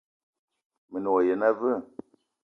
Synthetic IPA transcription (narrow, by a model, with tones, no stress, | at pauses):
mə˨nɔ˨je˨na˦və˦˨